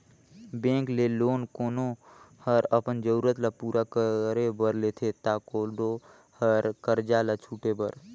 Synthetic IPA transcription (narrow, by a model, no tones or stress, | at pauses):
bẽːŋkleloːnkoːnohəɾəpənd͡ʒəɾuːɾət̪lapuːɾakəɾebəɾlet̪ʰet̪aːkoɖo | həɾkəɾd͡ʒalat͡ʃʰuːʈebəɾ